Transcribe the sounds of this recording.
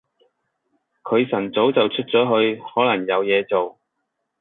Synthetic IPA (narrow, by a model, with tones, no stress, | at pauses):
kʰɵ˨˧ɥsɐ˨˩nt͡so˨˥wt͡sɐ˨wt͡ʃʰɵ˥t̚t͡sɔː˨˥ɦɵ˧ɥhɔː˨˥lɐ˨˩ŋjɐ˨˧wjɛː˨˧t͡so˨w